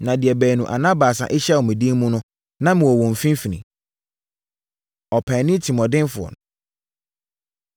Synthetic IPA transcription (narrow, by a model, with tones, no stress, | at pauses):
nã˨dɪ˨ɛ˨bæː˨nũ˨ʔa̰˨nã˦baː˨sa̰˨ʔɪ˦ɕɛ˦˨wɔ˨mĩ˨dĩ˦mũ˦nʊ̃˦ | nã˦mɪ̃˨wɔ˨wɔ̃˨m̩˨fĩ˦m˦fi˨nḭ̃˨ | ɔ˨pʰæ̃˨˦nĩ˦tʰi˨mɔ̃˨dɪ̃˦nfʊ˨ɔ̰˨n˨